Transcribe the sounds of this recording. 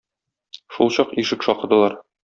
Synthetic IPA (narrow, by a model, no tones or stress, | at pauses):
ʃulˠɕɒqiʃɘkʃɒqɤ̆d̪ɤ̆lˠɑɾ